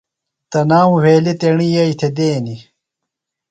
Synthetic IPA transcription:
t̪ɐnaːwũweːlit̪eɳijɐit̪ʰed̪eːni

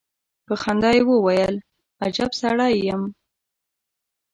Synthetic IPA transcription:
pəxand̪ɑjwəwajəl | ad͡ʒabsaɽɑjːəm

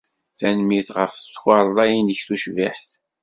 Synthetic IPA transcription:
θænmiθʁəfθət͡sːxɑɾˤlˤɑjinəçθuʃvaħθ

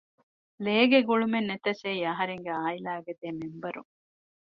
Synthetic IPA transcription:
leːɡeɡuɭumenːet̪ɐseiɐɦɐɾeŋɡeaːjilaːɐɡɐd̪eːmembɐɾṵŋ

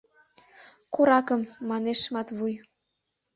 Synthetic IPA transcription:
koɾɑkəmːɑneʃmɑt̪βuj

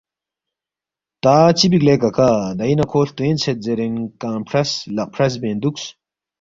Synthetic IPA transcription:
t̪aːt͡sibiɡlekɐkad̪ɐjnɐkʰoːɬt̪uẽnt͡sʰet̪̚zeɾenkaːmpʰɾɐslɐʔpʰɾɐs̬bẽːnd̪uks

